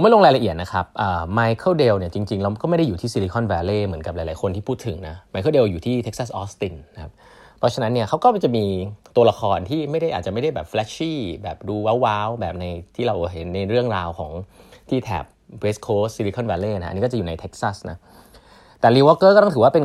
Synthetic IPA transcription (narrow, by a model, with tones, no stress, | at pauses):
o˩˦ma˥˩lo˧ŋɾaː˧jla˧ʔi˨˩t̪̚na˦˥kʰa˦˥p̚ʔəː˨˩maː˧jkʰɤː˥˩wde˧wni˥˩ɐt͡ɕi˧ŋt͡ɕi˧ŋɾa˧wkɔ˥ma˥˩jda˥˩juː˨˩t̪ʰiː˥˩si˧li˧kʰɔ˥˩nwɛː˧leː˥˩mɯ˩˦ənka˨˩p̚la˨˦jlaː˨˦jkʰo˧nt̪ʰiː˥pʰuː˥˩t̪ʰːɯ˩˦ŋna˦˥ma˧jkʰɤ˥˩de˧wjuː˨˩t̪ʰiː˥˩t̪ʰe˦˥k̚sa˥˩sʔɔː˦˥st̪i˧nːa˦˥kʰa˦˥p̚ | pʰːɔ˦˥t͡ɕʰa˧na˦˥nːi˥˩kʰa˦˥wkɔː˥˩t͡ɕa˨˩ʔmiː˧t̪u˧ɐla˧xʰɔː˧nt̪ʰiː˥˩ma˥˩jda˥˩jʔa˨˩t͡ɕa˨˩ma˥˩jda˥˩jbɛː˨˩p̚flɛː˦˥t͡ɕiː˥˩bɛː˨˩p̚duː˧wa˦˥wːaː˦˥wbɛː˨˩p̚na˧jt̪ʰiː˥˩ɾa˧wɦe˩˦nːa˧jɾɯ˥˩əŋɾaː˧wkʰɔ̰ː˩˦ŋt̪ʰiː˥˩t̪ʰɛ̰ː˨˩p̚we˦˥skʰoː˦˥si˧li˧kʰɔ˥˩nwɛː˧leː˥˩na˦˥a̰˧niː˦˥kɔː˥˩t͡ɕa˨juː˨˩na˧jt̪ʰe˦˥k̚sa˥˩sna˦˥ | t̪ɛː˨˩liː˧wɔː˦˥kːɤː˥˩kːt̪ɔ˥˩t̪ʰɯ˩˦wa˥˩pe˧n